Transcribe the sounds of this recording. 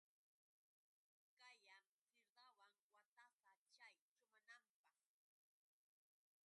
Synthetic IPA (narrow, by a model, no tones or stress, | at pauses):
kajam | sɪɾɢ̪awaŋwat̪asat͡ʃajt͡ʃʊmanampɑχ